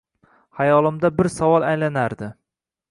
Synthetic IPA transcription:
hajɒlɪmd̪abɪɾsavɒlˠajlanaɾd̪ɪ

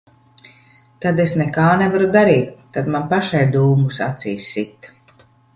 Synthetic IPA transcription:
t̪ad̪esnɛkaːnɛvaɾud̪aɾiːt̪̚ːad̪manpaʃajd̪uːmusat̪siːsːit̪

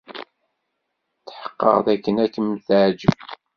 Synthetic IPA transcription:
θħə̥qːə̰ʁðækːənækəmθʕd͡ʒəb

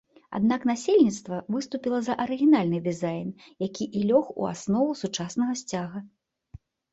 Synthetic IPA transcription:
a̰d̪naknasʲelʲnʲit̪st̪vɐvɨst̪upʲilˠɐzɐʔɐɾɨɣʲinalʲnɨd̪ɨzajnjakʲʰiʔilʲɔxṵa̰snɔvusut͡ʂasnɐɣɐsʲt͡sʲaɣɐ

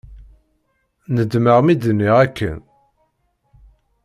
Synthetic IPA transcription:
nəd̪məʁmid̪nːiʁækːə̰n

